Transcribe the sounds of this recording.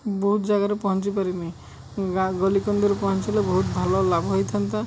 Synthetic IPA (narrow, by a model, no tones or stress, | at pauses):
bɔɦut̪d͡ʒaɡaɾepɔɦɔnt͡ʃipaɾinaj | aɡɔlikɔnd̪ɔɾpɔɦɔnt͡ʃalebɔɦut̪bʱalɔlabɦɔjt̪ʰant̪a